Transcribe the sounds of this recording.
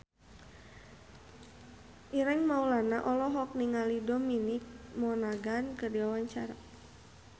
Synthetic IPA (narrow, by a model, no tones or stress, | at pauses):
ʔiɾɛŋmaulanaʔɔlɔɦɔk̚niŋalidɔminik̚mɔnaɡankərdiwawaɲt͡ʃaɾa